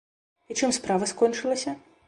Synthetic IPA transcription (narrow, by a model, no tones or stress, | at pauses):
it͡ʂɨmspɾavɐskɔnʲt͡ʂɨlˠɐsʲɐ